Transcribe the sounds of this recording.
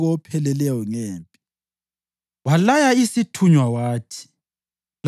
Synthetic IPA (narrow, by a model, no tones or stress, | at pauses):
ɣɔpʰɛlɛlɛjɔŋeːmpʼi | walajaisitʰuɲwawaːtʰi̥ | l